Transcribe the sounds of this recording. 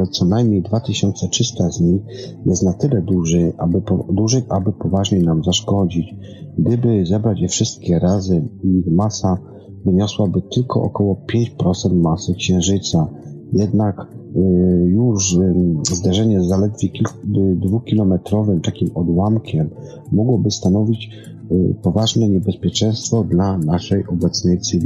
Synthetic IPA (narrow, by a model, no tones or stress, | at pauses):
ɛt̪sɔnajmɲejd̪vat̪ɘɕɔnt̪sɛt͡ʂɘst̪azɲixjɛst̪nat̪ɘlɛd̪uʐɘʔabɘɔd̪uʐɘʔabɘpɔvaʐɲejnamzaʂkɔd͡ʑit͡ɕ | ɡd̪ɘbɘzɛbɾad͡ʑjɛfʂɘst̪̚kʲɛɾazɛixmasa | vɘɲɔswabɘt̪ɘlkɔ̰ʔɔ̰kɔwɔpʲjeɲt͡ɕpɾɔt̪sɛnt̪masɘkɕɛ̃ʐɘt̪sajɛd̪nak | juʂzd̪aʐɛɲɛzalɛd̪vʲjekʲild̪vukʲilɔmɛt̪ɾɔvɘmt̪akʲimɔd̪wamkʲʰɛmː | ɔɡwɔbɘst̪anɔvʲit͡ɕ | pɔvaʐnɛɲɛbɛspʲjɛt͡ʂɛ̃j̃st̪fɔd̪lanaʂɛjʔɔbɛt̪snɛjt̪sɘvʲi